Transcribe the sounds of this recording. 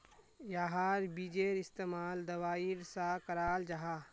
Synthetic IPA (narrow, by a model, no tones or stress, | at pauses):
jaːɦaːɾbid͡ʒeːɾɪst̪eːmaːld̪ɐʋaːiɾsakɐɾaːld͡ʒɐɦaː